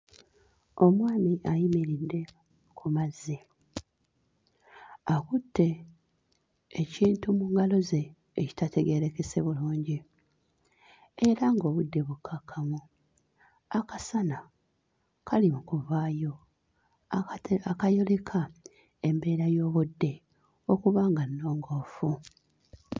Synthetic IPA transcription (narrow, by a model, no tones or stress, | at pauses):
o̞mwaːmiʔajimiɾidːe̞ | kʰumazi | akutʰːe̞ | ciːntumuŋɡalo̞ze̞ː | ci̥tate̞ɡe̞ɾe̞ke̞se̞βuluːɲɟi | eɾaŋɡo̞ːβudːe̞βukʰakʰːamu | akasana | kʰalimukuvaːjo̞ | akajolekʰa | e̞mbe̞ːɾajo̞ːβudːe̞ | o̞kuβaːŋɡanːo̞ːŋɡo̞ːfu